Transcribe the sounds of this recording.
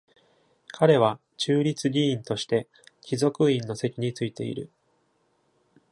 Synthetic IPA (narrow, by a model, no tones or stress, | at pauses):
kʰaɾe̞β̞a | t͡ɕɨːɾʲit͡sɨɡʲĩːnt̪o̞ɕi̥t̪e̞ | kʲizo̞kɯ̟ĩnːo̞se̞kʲiɲ̟it͡sɨit̪e̞̰ḭɾɯ̟̰